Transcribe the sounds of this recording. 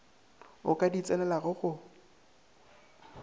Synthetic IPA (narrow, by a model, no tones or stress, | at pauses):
ʊkʼadit͡sʼɛnɛlaɣʊɣʊ